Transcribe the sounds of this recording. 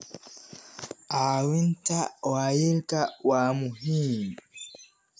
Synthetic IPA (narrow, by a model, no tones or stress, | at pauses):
ʔawintawaːjiɾkawaːmuɦim